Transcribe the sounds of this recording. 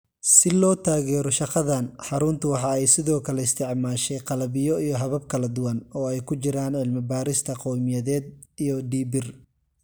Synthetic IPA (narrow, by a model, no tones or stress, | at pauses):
sɪlɔːt̪ʰaːɣɛːɾɔʃɑqɑðanħɑɾʊnt̪ʰʊwɑħɑɛjsɪðɔːkʰɐlɛɪst̪ʰɪʕmaːʃɛjqɑlɐβɪjɔijɔɦɐβɐb̚kʰɐlɐd̪ʊwɐnɔːɛjkʰʊt͡ʃɪɾaːnʕɪlmɪbaːɾɪst̪ʰɐqɔwmɪjɐðɛːd̪ijɔɖiːbɪr